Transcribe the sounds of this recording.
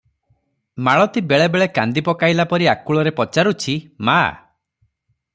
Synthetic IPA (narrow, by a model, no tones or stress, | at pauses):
maɭɔt̪ibeɭebeɭekand̪ipɔkajlapɔɾiakuɭɔɾepɔt͡ʃaɾut͡ʃʰima̰